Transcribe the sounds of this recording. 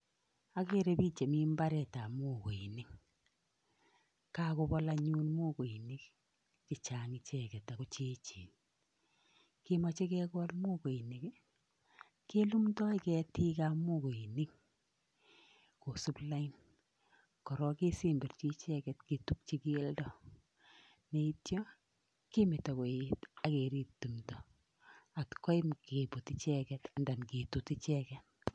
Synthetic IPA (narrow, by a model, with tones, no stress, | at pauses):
a˦ke˦ɾe˦pi˦t͡ʃe˨mi˦mba˦ɾɛ˨ta˨mo˦˨ko˨i˨ni˦ŋ | ka˦ko˧bɔ˦la˧ɲuː˦nmo˦ko˨i˨ni˦k | kɪ˨t͡ʃa˨ŋɪ˨t͡ʃɛ˦kɛ˨ta˨ko˨t͡ʃe˦t͡ʃiː˨n | ke˦ma˦t͡ʃe˦kɛ˦kɔ˦lmo˦ko˨i˨ni˨k | ke˦lu˦mtɔ˦i˦kɛ˦ti˦ka˦mo˦ko˨i˨ni˦ŋ | ko˨su˦pla˦i˦n | kɔ˨ɾɔ˦ke˦si˦mbe˨rt͡ʃi˦t͡ʃɛ˦kɛ˨tke˨tu˦k̚t͡ʃi˦ki˦e˦ldɔ˦ | ne˨i˦tjɔ˦ | ke˦mɪ˨ta˨ko˨i˦ta˦ke˨ɾi˦tːu˨mtɔ˨ | a˨tkɔ˦i˦mke˨bu˨ti˦t͡ʃɛ˦kɛ˨ta˨nda˨nke˨tu˨ti˦t͡ʃɛkɛt̚